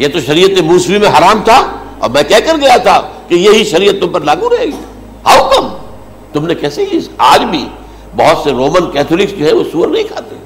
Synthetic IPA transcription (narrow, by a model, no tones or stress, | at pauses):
jet̪oʃɐɾijət̪emuːsbimẽɦɐɾaːmt̪ʰaɔ̰ːɾmɛ̃ːkɛɦkɐɾɡɐjat̪ʰakejeɦiʃɐɾijət̪ːʊ̃mpɐɾlaːɡuɾɐɦeːɡi | haukɐm | t̪ʊmnekɛːsekisaːd͡ʒbʱi | bɐɦʊt̪seɾoːmənkɛːt̪ʰːlɪksd͡ʒoːɦɛʋosuːəɾnɐɦĩkʰaːt̪e